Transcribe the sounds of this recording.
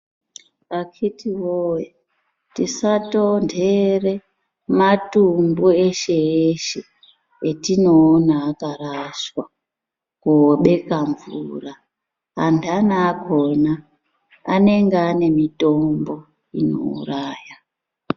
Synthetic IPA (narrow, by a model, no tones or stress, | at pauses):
akʰitiwoje | tisatondere̞ | matumbueʃe̞eʃe | etino̞ːnaːkaraʃwa | koɓe̞kaɱvṵraː | ntanaːkonaː | ne̞ŋɡeane̞mito̞mbo̞ | ino̞̰ṵraːja